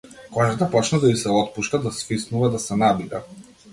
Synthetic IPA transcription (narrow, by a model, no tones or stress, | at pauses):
kɔʒat̪apɔt͡ʃnad̪aisɛɔt̪̚puʃt̪ad̪asfisnuvad̪asɛnabid̪a